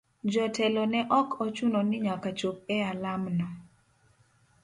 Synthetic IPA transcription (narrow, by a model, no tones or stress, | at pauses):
d͡ʒɔtɛlɔnɛʔɔkʰɔt͡ʃunɔnɪɲakat͡ʃop̚ɛalamnɔ